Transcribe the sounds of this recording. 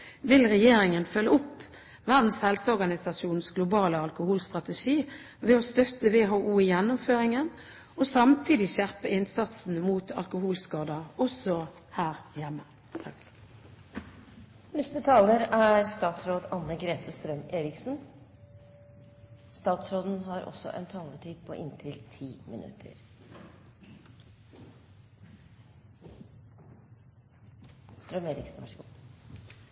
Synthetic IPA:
ʋɪlʁɛjeːɾɪŋənfœlːəʊpː | ʋæʁd̪n̩shɛlsəɔʁɡɑnɪsɑsuːnn̩sɡlʊbɑːləɑlkʊhuːlst̪ʁɑt̪əʃiː | ʋɛoːst̪œt̪əʋeːɦoːʔuːɪjɛnːʊmføːʁɪŋən | osɑmt̪ʰiːd̪ɪʃæʁpəɪnsɑt̪sn̩muːt̪ʰɑ̰lkʊhuːlskɑːd̪əʁɔsɔ | hæːʁjɛmːə | nʏst̪ət̪ʰɑːləɾæːɾst̪ɑːt̪sɾoːd̪ɑnːəɡɾeːt̪ʰəst̪ɾœmeːɾɪksn̩ | st̪ɑːt̪sɾoːd̪n̩ɦɑɾɔ̰sɔ̰ʔɛ̰nt̪ʰɑːləʈʰiːd̪̚pʰo̰ːʔɪnt̪ʰɪlt̪ʰiːmʔɪ̰nʔʉ̰t̪ʰə̰ɾ | st̪ɾœmeːɾɪ̰ksn̩ʋɑ̰ʂɡuː

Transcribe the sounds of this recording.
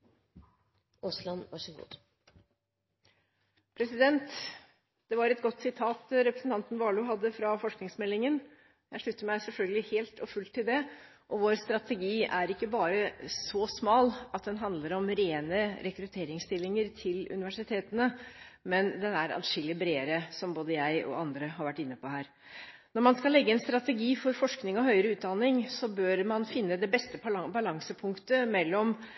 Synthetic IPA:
ɔslɑnʋɑʂɡṵd̪ | pʰɾɛsɪd̪ɛnt̪ | d̪ɛʋɑɾɛt̪ɡɔt̪ːsɪt̪ʰɑːt̪ɾɛpɾəsn̩t̪ʰɑnt̪nʋɑːɭʊɦɑd̪ːəfɾɑfɔʂknɪŋsmɛlːɪŋən | jæɪʂɭʉt̪ːəɾmæɪsɛlfœlɡəlɪheːlt̪ʰɔfʉlt̪ʰːɪld̪ɛ | ʔɔʋoːɾst̪ɾɑt̪ɛɡiːæɾɪkːəbɑːɾəsɔsmɑːlɑt̪̚d̪ɛnɦɑnd̪ləɾɔmɾeːnəɾɛkɾʉt̪ʰeːɾɪŋst̪ɪlːɪŋəɾt̪ʰɪlʉ̰nɪʋæʂɪt̪ʰeːt̪ənəmɛnd̪ɛnæɾɑ̰d̪ʂɪlɪbɾeːəɾəsɔmboːd̪əjæɪʔɔ̰ɑnd̪ɾəɦɑɾʋæʈːɪnːəpʰɔhæːɾ | nɔɾmɑnskɑlːɛɡːəɛnst̪ɾɑt̪ɛɡiːfɔɾfɔʂknɪŋɔɦœʏɾəʉːt̪̚d̪ɑnːɪŋsɔbøːɾmɑnfɪnːəd̪ɛbɛst̪əbɑlɑŋsəpʰʊŋkt̪əmɛlːɔm

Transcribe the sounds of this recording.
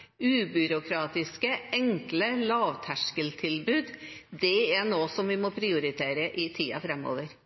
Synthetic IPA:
ʉːbʏɾʊkʰɾɑːt̪ɪskəʔɛŋkləlɑːʋt̪ʰæʂkəlt̪ʰɪlbʉːd̪d̪ɛɛnoːsɔmʋɪmɔpʰɾɪʊɾɪt̪ʰeːɾəʔɪt̪ʰiːɑ̰fɾɛmo̰ːʋəɾ

